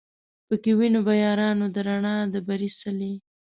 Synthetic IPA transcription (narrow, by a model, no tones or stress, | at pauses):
pəkewinobajɑɾɑnod̪əɾaɳɑd̪əbaɾisale